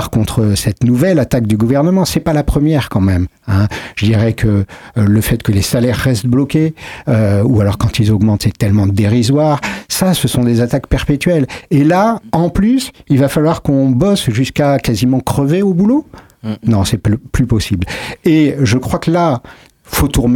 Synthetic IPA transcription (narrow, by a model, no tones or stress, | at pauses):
ʁkɔ̃t̪χəsɛt̪nuvɛlat̪ak̚d̪yɡuvɛʁnəmɑ̃sɛpalapχəmjɛʁkɑ̃mɛm | ɛ̃ʒ̥əd̪iʁɛkʰələfɛt̪kəlesalɛʁːɛst̪̚blɔkʲeøualɔʁkɑ̃t̪ilzɔɡmɑ̃t̪sɛt̪ɛlmɑ̃d̪eʁizwaʁsasəsɔ̃d̪ezat̪akpɛʁpet̪ɥɛlelaɑ̃plysilvafalwaʁkɔ̃bɔsʒyskakazimɑ̃kχəveobulo | nɔ̃sɛplypɔsibleʒəkχwakəla | fot̪uʁm